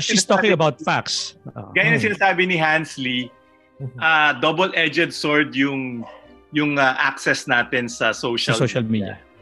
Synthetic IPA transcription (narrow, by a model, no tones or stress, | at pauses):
ʃist̪ɔkɪ̃ŋɐbawt̪̚faksɡaːjʊ̃nɐsɪnasaːbɪnɪɦansli | ʔad̪ɔbɛlʔɛd͡ʒɛd̪̚soɹd̪jʊŋ | jʊŋɐʔaksɛsnaːt̪ɪnsɐsowʃɐloʃɐlmid̪ɐ̰